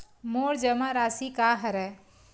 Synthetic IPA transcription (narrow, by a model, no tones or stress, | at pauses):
moːɾd͡ʒəmãɾaːsikaːɦɐɾɛ